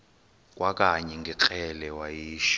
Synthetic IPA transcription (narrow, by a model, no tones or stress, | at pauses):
k̬ʼwak̬ʼaɲɛŋɡʱɛǃɛlɛwajiːʃ